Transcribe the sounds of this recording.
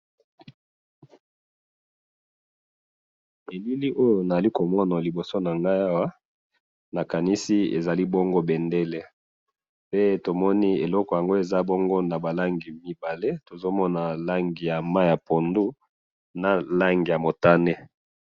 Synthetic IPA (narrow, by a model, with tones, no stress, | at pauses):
e˨li˦li˦ʔo˦jo˨na˨za˨li˦ko˨mɔ˦na˨li˨bo˨so˦na˨ŋɡa˦ja˦wa˦ | na˨ka˨ni˦si˦ḛ˨za˨li˦bɔ˦ŋɡo˦be˨nde˦le˦ | pe˦to˨mɔ˦ni˦e˨lɔ˦kɔ˨ja˨ŋɡo˦e˨za˦bɔ˦ŋɡo˦na˨ba˨la˦ŋɡi˨mi˦ba˨le˦to˨zo˦mɔ˦na˨la˦ŋɡi˨ja˨ma˦˨ja˨po˨ndu˦ | na˨la˦ŋɡi˨ja˨mo˨ta˦ne˦